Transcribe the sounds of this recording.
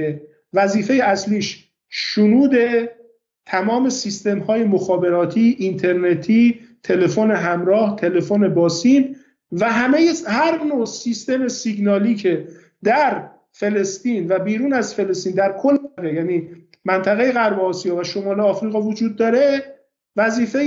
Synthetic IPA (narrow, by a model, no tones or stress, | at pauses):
e | væziːfe̞jeæsliːʃ | ʃonuːd̪e̞ | t̪ʰæmɒːme̞sist̪e̞mhɒːje̞moxɒːbe̞ɾɒːt̪ʰiːʔːnt̪ʰe̞ɾne̞t̪ʰiːt̪ʰe̞le̞fo̞ne̞ɦæmɾɒːht̪ʰe̞le̞fone̞bɒːsiːn | væɦæmejehæɾnosist̪e̞me̞siɡnɒːliːcʰe̞ | d̪æɾ | fe̞le̞st̪iːnvæbiːɾuːnæzfe̞le̞st̪iːnd̪æɾkʰo̞lːɣejæːniː | mænt̪ʰæɣe̞jeɣæɾboɒːsijɒːvæʃo̞mɒːleɒːfɾiːɣɒːvod͡ʒuːd̪̚ːɒːɾe̞ | væziːfe